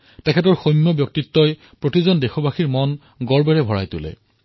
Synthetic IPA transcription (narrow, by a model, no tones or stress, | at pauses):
tɛkʰɛt̬ɔɹxojmːɔbjɔk̚titːɔj | pɹotizɔndexɔbaxiɹmɔn | ɡɔɹbɛɹɛbʱɔɹa̰jtʊ̰lɛ̰